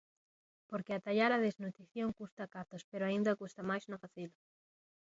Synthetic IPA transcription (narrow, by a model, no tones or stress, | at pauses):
poɾkeat̪aʎaɾaðeznut̪ɾiθjoŋkust̪akat̪ospeɾoaĩnd̪akust̪amajsznofaθil